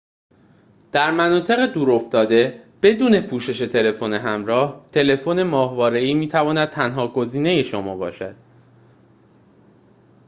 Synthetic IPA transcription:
d̪̥æɾmænɒːt̪ʰe̞ɣed̪uːɾo̞ft̪ɒːd̪e̞b̥e̞d̪uːne̞pʰuːʃe̞ʃe̞t̪ʰe̞le̞fo̞neɦæmɾɒːht̪ʰe̞le̞fonemɒːhvɒːɾe̞iːmiːt̪ʰævɒːnæd̪̥̚t̪ʰænɦɒːɡo̞ziːne̞je̞ʃomɒːbɒ̰ːʃæd̪̥

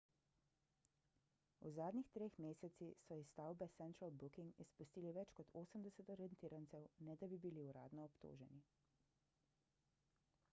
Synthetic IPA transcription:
ṵzaːd̪nʲixt̪ɾeːxmeːsɛt̪sixsɔist̪aːwbɛsɛnt̪ɾalbukiŋɡispust̪iːliʋɛt͡ʃkɔt̪ʰoːsəmd̪ɛsɛt̪ɔɾiɛnt̪iːɾant̪sɛwnɛd̪abibiliuɾa̰ːd̪nɔɔpt̪o̰ːʒɛ̰ni

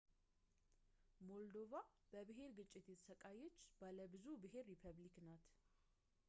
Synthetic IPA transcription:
mo̞ld̪o̞va | b̥əbɨɦe̞ɾɡɨt͡ʃʼːɪt̪jɛt̪ʰəsəkʼajːɛt͡ʃːb̥aləbɨzubɨɦe̞ɾːipʰəβliknat̪

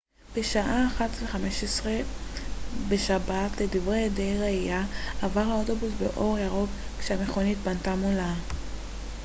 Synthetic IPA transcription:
b̥eʃaʔaːχatveχameʃesʁe̞ | be̞ʃabatle̞divʁedejʁeijaːvaʁhaoto̞busbḛʔo̞ʁjaʁo̞kkʃeame̞χo̞nitbantamola

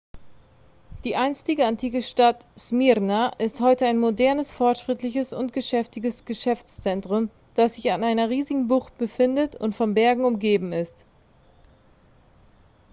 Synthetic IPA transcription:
d̥iːʔaɪnstɪɡəantʰiːkəʃtatsmiʁnaʔɪsthɔʏtəaɪnmodɛɐnəsfɔɐtʃʁ̥ɪtlɪçəsʊntɡ̥əʃɛftɪɡəsɡ̥əʃɛft͡st͡sɛntʁ̥ʊm | d̥asz̥ɪçanaɪnɐʁiːzɪɡŋ̩bʊχt̚b̥əfɪndətʊ̰ntfɔmbɛɐɡŋ̩ʊmɡeːbm̩ɪst

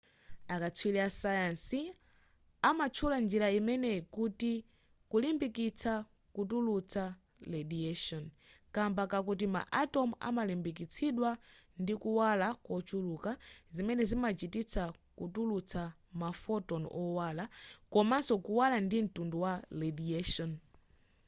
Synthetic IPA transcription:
akat͡sʰwilɛasajansi | amat͡ʃʰuland͡ʒiɾaimɛnɛkuti | kulimbikit͡sʰa | kutulut͡sʰa | lediaʃɔn | kambakak̬ut̬ima̰ʔatɔma̰malimbik̬it͡sʰiɗwa | ndikuwalakɔt͡ʃʰulukazimɛnɛzimat͡ʃitit͡sʰakutulut͡sʰa | mafɔtɔnʔɔwalakɔmansɔkuwalandin̩tunduwalɛdiaʃɔn

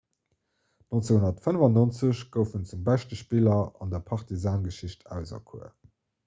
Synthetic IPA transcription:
nont͡seŋhunɐtfənəvɑnont͡səɕɡ̥əʊfənt͡sumbæɪʃtəʃpilɐɑ̰ndɐpʰɑʁtizaːnɡəʃiɕtʰæ̰ʊzɐ̰kʰṵə̰

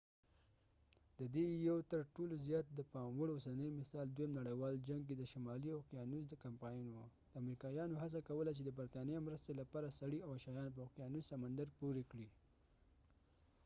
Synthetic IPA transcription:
d̪əd̪ejawt̪əɾʈolozjɑt̪̚d̪əpɑmwəɽosanəjmɪsɑld̪wojamnaɽəjwɑld͡ʒaŋɡked̪əʃamɑlioqjɑnuzd̪əkampɑjnwad̪̥əamɾikɑjɑnoɦas̬akawəlat͡ʃed̪əbəɾt̪ɑnijɑmɾəst̪elapɑɾasaɽiawaʃɑjɑnp̬əaqjɑnuzsamand̪aɾpuɾekɽi

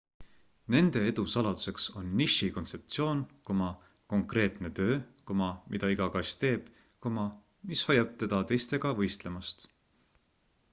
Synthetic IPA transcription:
ne̞nd̪̥e̞e̞d̪usɑlɑd̪̥u̥se̞kso̞nːiʃiko̞nt̪se̞p̚t̪sio̞ːnko̞mɑ | ko̞ŋkre̞ːt̪ˑne̞t̪ø̞ːko̞mɑmʔid̪̥ɑiɡɑkɑsʲt̪e̞ːb̥ | komɑ | mishɑjɑb̥̚t̪e̞d̪̥ɑt̪e̞jst̪e̞ɡ̥ɑvɤ̞jst̪le̞mɑst̪

